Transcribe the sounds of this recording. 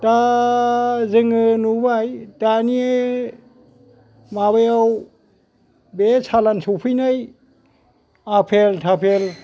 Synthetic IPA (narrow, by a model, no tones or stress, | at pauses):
ta | zɯŋɯnubajtanie | maβajaw | besalansʰɔwpʰɯjnaj | apʰeltʰapʰel